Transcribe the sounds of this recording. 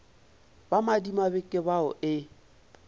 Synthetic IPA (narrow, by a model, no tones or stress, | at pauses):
bamadimabɪkʼɪbaɔʔɪ